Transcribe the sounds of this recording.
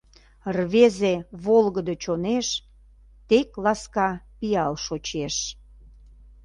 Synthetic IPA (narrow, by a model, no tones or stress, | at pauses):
rβezeβolɣəd̪ət͡ɕoneʃ | t̪eklɑskɑpiɑlʃot͡ɕeʃ